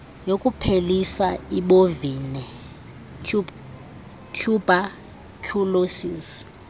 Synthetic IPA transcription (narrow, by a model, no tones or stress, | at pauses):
jokʼupʰelisaiɓovinɛ | kʰjub̥ʱa | kʰulosiz